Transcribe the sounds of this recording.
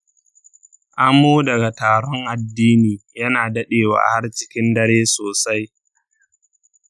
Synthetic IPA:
ʔa˦mːoː˦dɐ˨ɡa˨taː˨ɽɔ˦ŋʔa˨dːiː˦niː˨jɐ˦naː˨dɐ˦ɗeː˨wa̰ː˨ha˦rt͡ʃɪ̥˦kʲɪ˦ndɐ˦ɽeː˦soː˨sa˦j

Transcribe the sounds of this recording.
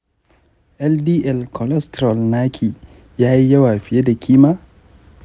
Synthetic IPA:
ʔɛ˦ldiː˦ʔɛ˦˨lkʰɔ˨lɛ˦stɾɔ˨lnaː˦kʲʰiː˨ | jaː˦hi˦jɐ˦waː˨ɸɪ˨je˦da˨kʲʰiː˦maː˦

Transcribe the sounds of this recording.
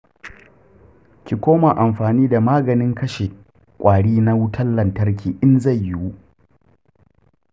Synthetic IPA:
kʲi˨kʷoː˦ma˨ʔa˨mɸaː˨niː˦da˨maː˦ɡɐ˨nɪ˦ŋkɐ˦ʃe˨ | kʷʼaː˨ɽiː˦na˦wʊ˦tʰɐ˦llɐ˨ntɐ˦rk̬ʰʲiː˨ʔɪ˦nza˦˨jːɪ˦wu˦ʔ

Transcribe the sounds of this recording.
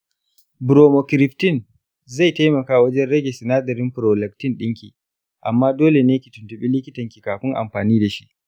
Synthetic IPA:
bɾoː˨mo˨kɪ˨ɾɪ˨ɸtɪ˦˨n | za˦˨jta˦jmɐ˨kaː˦wɐ˦d͡ʒɛ˦nɾɛ˦ɡʲe˨sɪ˨naː˦dɐ˨ɾɪ˦mɸɾoː˨lɛ˨k̚tɪ˦nɗɪ˦ŋkʲḭː˨ | ʔa˨mːaː˦doː˦le˨neː˦kʲi˨tʊ˨ntʊ˨ɓiː˦lɪ˦kʲɪ˦tɐ˨ŋkʲi˨kaː˨ɸɪ˦ŋʔa̰˨mɸaː˨niː˦da˨ʃi˦ʔ

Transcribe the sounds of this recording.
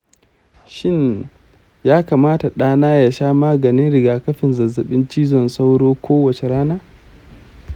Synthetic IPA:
ʃɪ˦ɲ | jaː˦kaː˨maː˦ta˨ɗaː˦naː˦ja˨ʃaː˦maː˦ɡɐ˨nɪ˦nɽɪ˨ɡaː˨kɐ˦ɸɪ˨nzɐ˨zːɐ˨ɓɪ˦nt͡ʃiː˦zɔ˨nsa˦wɽoː˦kʷoː˦wɐ˨t͡ʃe˨ɽaː˦naː˦

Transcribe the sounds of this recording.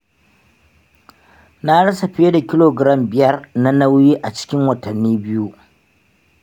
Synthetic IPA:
na˦ɽɐ˦sa˨ɸe˦da˨kʲɪ˦loː˨ɡɾɐ˦˨mbɪ˦˨jɐ˦rna˦na˦wjiː˦ʔa˨t͡ʃɪ̥˦kʲɪ˦ŋwɐ˨tɐ˨nːiː˦bɪ˦ju˦ʔ

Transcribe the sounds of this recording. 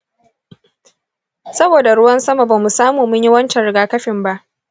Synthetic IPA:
sɐ˦boː˨da˨ɽʊ˦wɐ˦nsɐ˦ma˨ba˨mːu˨saː˦muː˨mʊ˦ɲjɪ˦wɐ˦nt͡ʃɛ˨ɽɪ˨ɡaː˨˦kɐ˦ɸɪ˨mba˦ʔ

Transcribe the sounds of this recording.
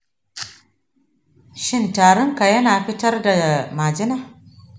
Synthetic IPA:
ʃɪ˦ntaː˨ɽʊ˦ŋka˨jɐ˦naː˨ɸɪ˦tɐ˦rda˨maː˨d͡ʒɪ˦naː˦˨

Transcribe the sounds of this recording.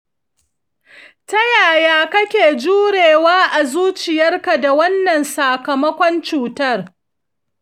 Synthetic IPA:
tɐ˦jaː˨jaː˦kɐ˦kʲeː˨d͡ʒuː˦ɽeː˨waː˦ʔa˨zuː˦t͡ʃɪ˨jɐ˦rka˨da˨wɐ˦nːɐ˨nsa˨kɐ˨mɐ˦kʷɔ˦nt͡ʃuː˨tɐ˦r

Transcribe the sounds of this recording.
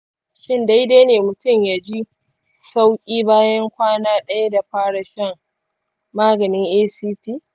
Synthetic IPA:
ʃɪ˦nda˦jdaː˦neː˨mʊ˨tʊ˦˨mjaː˨d͡ʒi˦ | sa˦wkʲʼiː˦baː˦jɐ˦ŋkʷaː˦naː˦ɗɐ˦ja˦da˨ɸaː˦ɽa˨ʃɛ˦˨ŋ | maː˦ɡɐ˨nɪ˦ŋʔeː˦siː˦tiː˦˨

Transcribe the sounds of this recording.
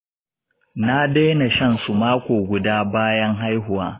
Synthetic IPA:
na˦deː˦na˨ʃɐ˦nsu˨maː˦kʷoː˨ɡʷʊ˨daː˦baː˦jɐ˦ŋɦa˦jɦʊ˨waː˦

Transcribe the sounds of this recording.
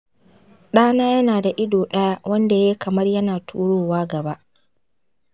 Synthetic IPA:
ɗaː˦naː˦jɐ˦naː˨da˨ʔɪ˦doː˨ɗɐ˦ja˦wɐ˦nda˨jeː˦kʰɐ˨mɐ˦rjɐ˦naː˨tʰṵː˦ɽoː˦waː˦ɡɐ˨ba˦ʔ

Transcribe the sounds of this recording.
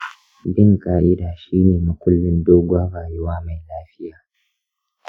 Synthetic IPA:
bɪ˦ŋkʼaː˦˨ʔɪ˦daː˨ʃiː˦neː˨mʊ˨kʷʊ˦lːɪ˦ndoː˦ɡʷaː˦ɽaː˨ju˦waː˦ma˨jlaː˦ɸɪ˦jaː˨

